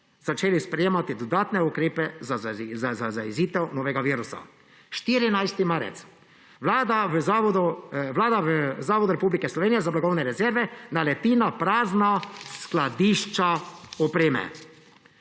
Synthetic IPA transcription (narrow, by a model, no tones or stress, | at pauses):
z̥at͡ʃeːlispɾɛjeːmat̪id̪ɔd̪aːt̪nɛukɾeːpɛzaazazaiziːt̪ɛwnoːʋɛɡaʋiːɾusa̰ | ʃt̪iːɾinajst̪imaːɾɛ̰t̪s | ʋlad̪aaɔd̪uʋlaːd̪aʋzaːʋɔd̪uɾɛpuːblikɛslɔʋeːnijɛzablaɡɔwnɛɾɛzɛɾʋɛnalɛt̪iːnapɾaːznasklad̪iʃt͡ʃaɔpɾeːmɛ̰